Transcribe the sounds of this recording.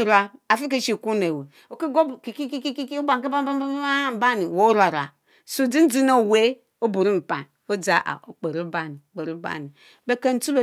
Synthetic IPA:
ɾa˦a˨fi˦ke˦ʃi˨ku˦ne˨we˨ | o˨ki˦ɡo˦bki˨ki˦ki˦ki˦ki˦kba˨ki˦ba˦m˦ba˦a˦ba˦ni˨wo˦ɾa˨ɾa̰˨ | su˦˨di˦n̩˦d͡zi˦no˦˨we˦ | o˦bu˨ɾi˦m̩˨pa˨n | o˦d͡za˨˦ʔa̰˨o˨k͡pe˨ɾi˦ba˦ni˨k͡pe˨ɾi˦ba̰˦ni˨ | be˦ke˦n̩˦tu˦lo˨

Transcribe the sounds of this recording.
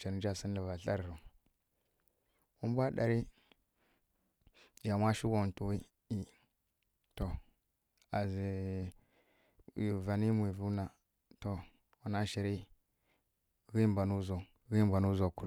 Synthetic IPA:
t͡ʃa˨ɾd͡ʒa˦si˦n˦la˨va˨ɬa˦ɾɾu˨ | u˦m˦bʷa˦ɗa̰˨ɾi˦ | ja˨ma˦ʃi˦wo˨tu˨wi˦ | i˦ | to˨ | a˨zi˨ | i˨va˨ni˦mʷ˨i˨vu˦na˨ | to˨ | wa˨na˦ʃi˨ɾi˦ | ɣi˦mba˨nu˦zo˨ | ɣi˦mba˨nu˦zo˨ku˨

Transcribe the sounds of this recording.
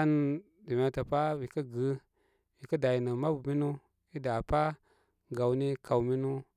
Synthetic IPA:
a˦n˨ | di˨me˨ta˨pa˦wi˨kə˦ɡə˦ | wi˨kə˦da˨ji˨nə˨ma˦bu˨mi˦nu˦ | i˦da˨pa˦ | ɡa˨wni˦ka˨wmi˦nu˦

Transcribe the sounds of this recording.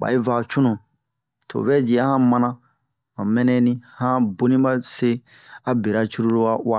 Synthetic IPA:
ba̰˨i˦va˨t͡ʃu˦nũ˨ | tʰo̰˨vɛ˦d͡ʒi˨a˦hã˦mã˦nã˦ | mã˨mɛ̃˦nɛ̃˦nĩ˦hã˦bo˦nĩ˦ba˦se˦a˦be˨ɾa˦t͡ʃu˦ɾu˦ɾo˦wa˦wa˦

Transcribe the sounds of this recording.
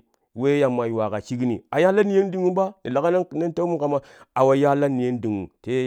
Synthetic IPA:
we˦ja˨mːa˨jwa˨ka˨t͡ʃi˦ɡi˦nḭ˨a˨ja˦la˦ni˨˦je˦n˦di˨ŋu˦ba˦ni˨la˨ka˦na˦na˦n˦ta˦mu˦ka˨ma˦ | a˨wa˨ja˦la˦ni˨je˦n˦di˨ŋṵ˨te˦

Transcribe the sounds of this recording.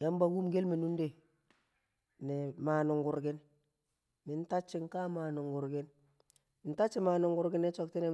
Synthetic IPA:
ja˦mba˨ɡu˦mɡe˦lme˨nu˦nde˨ | ne˨ma˨nu˨ŋɡu˨ɾɡɪ˦n | mɪ˨˦nta˦t͡ʃːi˨ŋka˦ma˨nu˨ŋɡu˨ɾɡɪ˦n | mɪ˨nta˦t͡ʃːi˦ma˨nʊ˨ŋɡu˨ɾɡɪ˦nːe˦t͡ʃo˨k̚ti˦ne˨

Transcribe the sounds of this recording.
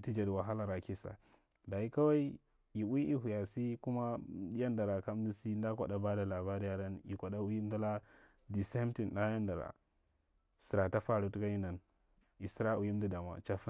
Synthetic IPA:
i˨ti˦d͡ʒa˨di˨wa˨ɦa˦la˨ɾa˨ki˦sa̰˨ | da˨i˦ka˦wa˦i˦ | i˨wi˦ʔi˦ɦu˨ja˨si˦ku˦ma˦ja˦nda˨ɾa˨ka˦m˦di˦si˦nda˦ka̰˨da˨ba˦da˨la˨ba˦ɾi˦ja˦da˦ni˨kʷa˨ɗa˦u˦i˦n˦du˦la˦ | di˨se˦m˦ti˨nɗa˦ja˦nda˨ɾa̰˨ | si˨ɾa˨ta˦fa˦˨ɾu˦tu˦ka˦i˦na˨n | i˨si˦ɾa˦u˨ji˦m˦di˦da˨ma̰˨t͡ʃa˦f

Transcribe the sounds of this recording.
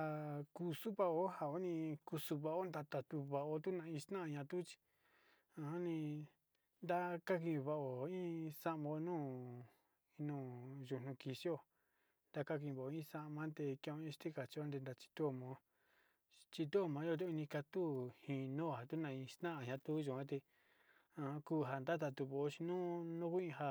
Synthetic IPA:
a˧ku˧su˦βa˧o˦ha˨o˦nĩ˧ku˧su˧βa˧o˦nd̪a˧t̪a˧t̪u˧βa˧ʔo˧t̪u˦nã˧ĩ˧st̪nã˦˧˨ɲã˧t̪u˦t͡ʃi̥˧ | ã˧ha˦nĩ˧ | nd̪a˦ka˦k̬ĩ˧βa˧o˨ĩ˦sa˦ʔmõ˧nũː˦˨˧ | nũː˦˨ʒu˧nũ˧ki˧si˦o˧˨ | nd̪a˧ka˦k̬ĩ˧βa˨o˨˧˦ĩ˦sa˧˦˧mã˦t̪e˧kẽ˧õ˧ĩ˧ʃt̪i˦ka˨t͡ʃi˧o˦nd̪e˧nd̪a˧t͡ʃi̥˧t̪u˦o˧mã˨˦ | t͡ʃi˧t̪u˦o˧mã˨˧˦jo˦˧t̪̬u˦i˧nĩ˧ka˧t̪u˦hĩ˧nũː˦˨ha˨t̪u˦nã˧ĩ˧st̪ã˦ʔa˧˨ɲã˧t̪u˦ʒu˨ã˦t̪e˧ | ã˧ku˦ɦa˧nd̪a˦t̪̬a˧t̪u˧βo˨o˧t͡ʃi˧nũː˦nũ˦ku˦ĩ˧ɦa˧

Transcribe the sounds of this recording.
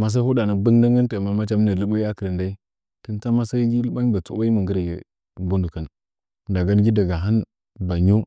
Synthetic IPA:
ma˨s̬a˦hu˦da˨na˨bə˦ŋda˦ŋɡa˦n˦ta˨ma˨ma˦t͡ʃa˦m˦na˨lu˦ba˦i˦a˦kə˨ɾə˨nda˦i˦ | tə˦n˦a˦ma˦sa˦ɡi˦lə˦ɓa˦ŋ˦ba˨t͡sṵ˦a˦i˦mə˨ŋɡə˦ɾa˨jḛ˨ | bu˦ndu˨kə˨n | da˨ɡa˦n˦ɡi˦da˨ɡa˨ɦa˦n | ba˨ɲo˦

